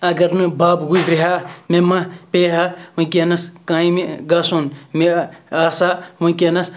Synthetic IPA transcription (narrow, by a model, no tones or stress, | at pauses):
ɐɡɐɾnɨbaːbɡud͡ʒɾiɦaːmemɐpeːɦɐʋɐ̃kʲenɐskaːĩmiɡɐsunmeaːsamɐ̃kenɐs